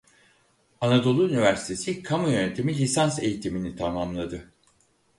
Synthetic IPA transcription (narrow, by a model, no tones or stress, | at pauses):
anad̪o̞lˠuynivæɾsi̥t̪ʰe̞sikʰamujø̞ne̞t̪ʰimilʲisanse̞̰jit̪ʰiminit̪ʰamamlˠad̪ɯ